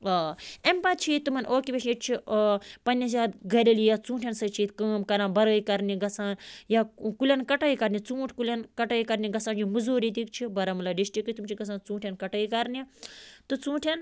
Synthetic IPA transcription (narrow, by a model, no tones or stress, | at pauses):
ɐːempat̪̚t͡ʃʰit̪umɐnʔoːkibʲeʃnʲiʈ̚t͡ʃʰipɐnʲːɐs̬jaːt̪ɡɐlʲelijat͡sũːʈʰjensɐt͡ʃʰiːt̪kɐːmkɐɾaːnbɐɾəːjikɐɾniɡɐsʰaːnjakulʲɐnkɐʈɐikɐɾnʲit͡sũːʈʰʲkulʲenkɐʈɐːikɐɾnʲiɡɐsaːnd͡ʒimuzoːɾit̪̬ik̚t͡ʃʰibɐɾɐmɐlaɖiʃʈikit̪umt͡ʃʰiɡɐs̬ʰãːnt͡sũːʈʰʲenkɐʈɐːikɐɾnit̪ɨt͡sũːʈʰen